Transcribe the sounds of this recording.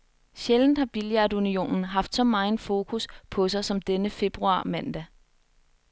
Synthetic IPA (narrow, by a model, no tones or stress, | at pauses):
ɕeln̩hɑ̈b̥iljɑdunio̝̰ːnn̩ɦɑ̈fd̥sɒ̽mɑ̈ːn̩fo̝ːkʰuspʰɒ̽sɑ̈ɪsɒ̽md̥enəfe̝b̥ʁuɑ̰̈ːmæn̰d̥æ